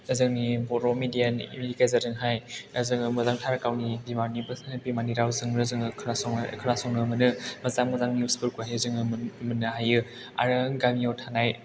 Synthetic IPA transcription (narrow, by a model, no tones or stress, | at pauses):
ɐzɯŋnibɔɾɔmidianḭmidikajzazɯŋɦajɐzɯŋɯmɐzaŋtʰaɾkawnibimaɾnibɯsnɯbimaniɾawzɯŋɾɯzɯŋɯkʰaskʰɯɾasɔŋnɯmɯnɯmɐzamɡɯzaŋniuspɯɾkuajɯzɯŋɯmɯnɯɦajɯ | a̰ɾɯɡamiawtʰanaj